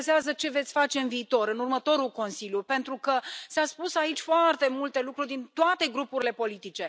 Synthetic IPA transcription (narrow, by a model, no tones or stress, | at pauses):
zeazət͡ʃe̞vet̪sʲfat͡ʃe̞ɨnviːt̪o̞ɾɨnurmət̪o̞ɾulko̞nsiljupe̞nt̪ɾukəsaspusait͡ʃʲfoart̪e̞mult̪e̞lukɾurʲd̪int̪oat̪e̞ɡɾupuɾile̞po̞lit̪it͡ʃe̞